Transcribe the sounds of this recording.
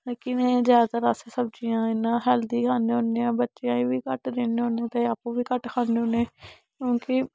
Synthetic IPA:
kɪnẽːzjaːd̪t̪əɾaːseːsəb̚d͡ʒijãːɪnãːɦɛːld̪iːkʰaːneːɦõːneːãːbətːʃejãːĩːʋiːkəʈd̪eːneːɦõːnẽːt̪eːapːũːʋiːkəʈkʰaːneːɦõːneː | kjõːkɪ

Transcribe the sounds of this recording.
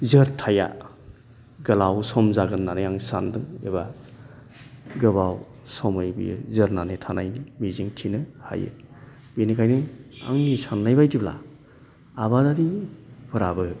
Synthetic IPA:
zɯɾtʰaja̰ | ɡɯlawsɔmzaɡɯnːanɯjaŋsandɯŋeba | ɡɯbaw | sɔmɯjbḭzɯɾnanetʰanajmiziŋtʰinɯha̰jḛ | binikʰajnɯa̰ŋnisanːajbajdibla̰ | abadaɾipʰɯɾabɯ

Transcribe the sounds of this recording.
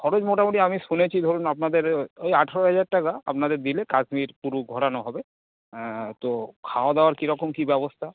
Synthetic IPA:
kʰɔɾod͡ʑmoʈamoʈiamiʃunet͡ɕʰid̪ʱoɾunapnad̪eɾejaʈʰaɾoɦɛd͡ʑaɾʈakaa̰pnad̪eɾd̪ilekasmiɾpuɾuɡʱɔɽanoɦɔbe | t̪okʰaad̪aoaɾkiɾɔkomkibɛbost̪ʰa

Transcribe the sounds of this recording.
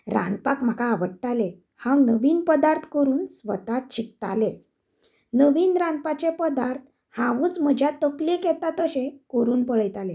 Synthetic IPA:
ɾa̰npakm̤akaːʋəɽʈale | hãwnəʋiːnpəd̪aɾt̪ʰkəɾuːnsʋət̪at̪̚ɕik̚t̪a̰le | nəʋiːnɾãnpat͡ɕepəd̪aɾt̪ʰ | hãʋuːt͡sm̤əd͡ʑʱjat̪əklikɛt̪at̪əɕẽkoɾuːnpəɭəjt̪ale

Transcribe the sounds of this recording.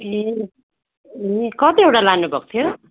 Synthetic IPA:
e | ekʌt̪iewʈalanubʱʌkt̪ʰijo

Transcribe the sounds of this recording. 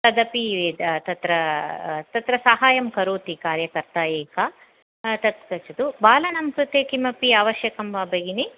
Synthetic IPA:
t̪ɐd̪ɐpied̪t̪ɐt̪ɾɐt̪ɐt̪ɾɐsɐɦaːjɐmkɐɾuːt̪ikaːɾjɐkɐɾt̪aːjeːka | t̪ɐt̪̚kɐt͡ʃɐd̪ubaːlɐnɐmkɾut̪eːkimɐpiaːʋɐʃjɐkɐmʋɐbɐɡini

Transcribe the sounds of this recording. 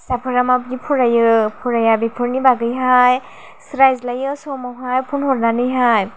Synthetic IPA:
sapʰɯɹamab̚ɡipʰuɹajɯpʰuɹajabipʰɯɹnibaɡɯjɦaj | sɾajzlajɯsɔmɔwɦajpʰunhɔɹnanɯjɦaj

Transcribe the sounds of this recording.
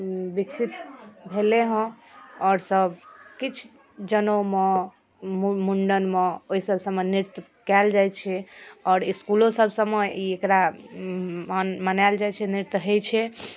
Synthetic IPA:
biksit̪bʱeleɦə̃ | ɔːɾsəbkit͡ʃʰ | d͡ʒənome | muɳɖənmeoɦisəbsəmeniɾt̪ | kɛld͡ʒajt͡ʃʰɛɔːɾiskulõsəbsəmeiekɾa | mənald͡ʒajt͡ʃʰɛniɾt̪ɦəjt͡ʃʰɛ

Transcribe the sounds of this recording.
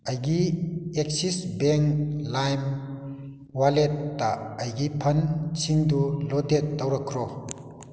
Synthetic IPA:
ajɡiek̚sisbeŋlajm | waletːaːjɡipʰɐnt͡ʃʰiŋdulɔdetːawɾakʰɾɔ

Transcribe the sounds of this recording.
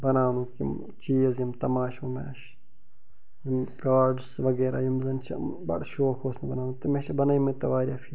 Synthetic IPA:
bɐnaːnukḭm | t͡ʃiːzjimt̪ɐmaːʃmɐmḛːʃ | jimkaːɖsʋɐɡeːɾa̰ːjimzɐnt͡ʃʰɐ̰bɐ̰ɽʃoːkʰoːsmebɐnaːnut̪ɐmeʃɐbɐnɐjmɐt̪ɐʋaːɾʲjaːfʰiː

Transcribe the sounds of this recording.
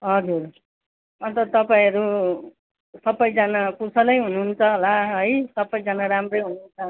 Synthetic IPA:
ɦʌd͡zur | ʌnt̪ʌt̪ʌpaĩʌɾu | sʌbːʌjd͡zanakusʌlʌjɦunuɦnt͡sʰʌolaɦʌjsʌbʌjd͡zanaɾamrʌjɦununt͡sʰʌ

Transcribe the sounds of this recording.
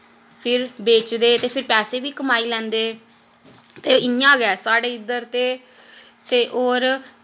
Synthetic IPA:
pʰɪɾbeːt͡ʃd̪eːt̪eːpʰɪɾpɛːseːbiːkəmaːiːlɛ̃ːnd̪eː | t̪eːɪjãːɡɛːsaːɖeːɪd̪əɾt̪eː | t̪eːʔoːɾ

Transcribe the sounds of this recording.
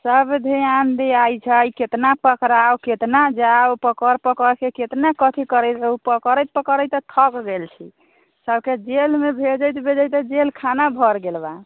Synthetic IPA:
səbd̪ʱiand̪eajt͡ʃʰəjket̪napəkɾawket̪nad͡ʒawpəkəɾpəkəɾkeket̪nakət̪ʰikəɾɛjt̪upəkəɾəjt̪̚pəkəɾəjt̪ət̪ʰəkɡelt͡ʃʰḭ | səbʱked͡ʒelmebʱed͡ʒəjt̪bʱed͡ʒəjt̪əd͡ʒelkʰanabʱəɾɡelba

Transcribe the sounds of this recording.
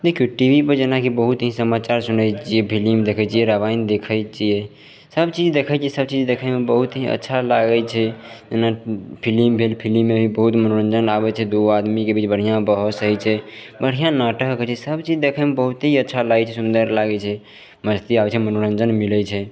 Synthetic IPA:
d̪ekʰijoʈibʱipəɾd͡ʒenakibəɦut̪əɦĩsəmat͡ʃaɾsunəjt͡ʃijɛpʰilimd̪ekʰət͡ʃijɛɾəβaind̪ekʰət͡ʃijɛ | səbt͡ʃid͡ʒd̪ekʰəjt͡ʃijɛsəb̚t͡ʃid͡ʒd̪ekʰəmebəɦut̪əɦĩə̰tːʃʰalaɡɛt͡ʃʰɛd͡ʒenapʰilimbʱelpʰilimːebʱibəɦut̪mənoɾənd͡ʒənabɛt͡ʃʰɛd̪oad̪mikebit͡ʃbəɽ̤ɦijãbəɦɔsəɦɛt͡ʃʰɛbəɽ̤ijãnaʈəɦkət͡ʃʰiɛsəbt͡ʃid͡ʒd̪ekʰəjmebəɦut̪əɦiətːʃʰalaɡɛt͡ʃʰɛsund̪əɾlaɡɛt͡ʃʰɛ | məd͡ʒt̪iabɛt͡ʃʰɛmənoɾənd͡ʒənmilɛt͡ʃʰɛ

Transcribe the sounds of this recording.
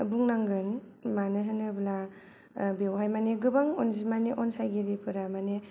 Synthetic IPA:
buŋnaŋɡɯn | manɯɦɯnɯbla | bewɦajmaneɡɯbaŋɔnzimaneʔɔnsajɡeɾipʰɯɾamane

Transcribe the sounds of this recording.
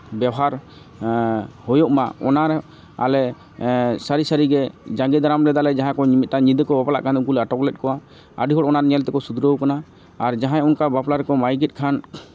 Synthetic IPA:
bjawɦaɾ | hɔjɔʔmaɔnaɾ | a̰lɛ | saɾisaɾiɡɛd͡ʒãŋɡɛd̪aɾamɾɛd̪alɛd͡ʒaɦãkɔɲimit̪̚t̪aɲid̪əkɔbapla̰ʔkanuk̬ulɛaʈɔklɛt̪̚kɔwa | ə̰ɖʱiɦɔʈɔnaɾɲɛlt̪ɛkɔsud̪ɾəwkanaː | ɾd͡ʒaɦãjunkabaplaɾɛkɔmajɡɛt̪̚kʰan

